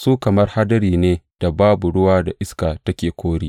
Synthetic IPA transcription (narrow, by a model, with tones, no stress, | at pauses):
suː˦kɐ˨mɐ˦rha˦dɐ˦ɾiː˨neː˦d̥a˨baː˦bu˨ɽʊ˦waː˦da˨ʔɪ˦skaː˨tɐ˦kʲeː˨kʷoː˦ɽiː˦